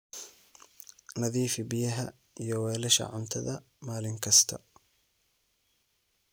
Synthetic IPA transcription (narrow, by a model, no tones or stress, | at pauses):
nɐðiːfɪbɪjɐɦɐ̰ | ijɔwɛːlɐʃɐ̰ʕʊnt̪ʰɐ̰ðɐ | maːlɪŋkʰɐst̪ʰɐ̰